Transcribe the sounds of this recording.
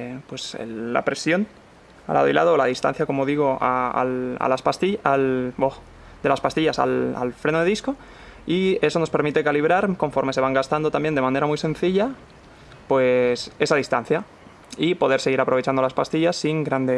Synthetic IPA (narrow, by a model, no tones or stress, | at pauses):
pwe̞sḛlːa̰pɾe̞sjo̞n | a̰la̰ðoila̰ðoːlað̞ist̪a̰n̟θjako̞mo̞ðiɣo̞aa̰la̰laspast̪ialbox | d̪e̞laspast̪iʝasa̰la̰lfɾe̞noðeisko̞ | ie̞so̞nospe̞ɾmit̪e̞kaliβ̞ɾaɾko̞ɱfo̞ɾme̞seβaŋɡast̪and̪o̞t̪ambje̞nd̪e̞mãne̞ɾamujsẽ̞nθiʎa | pwe̞se̞sað̞ist̪an̟θja | ipo̞ðe̞ɾseɣiɾapɾoe̞t͡ʃand̪olaspast̪iʝasːiŋɡɾand̪e